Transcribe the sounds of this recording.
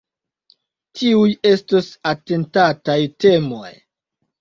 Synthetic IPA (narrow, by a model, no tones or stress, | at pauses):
tʰiuje̞stosate̞ntatajte̞mo̰j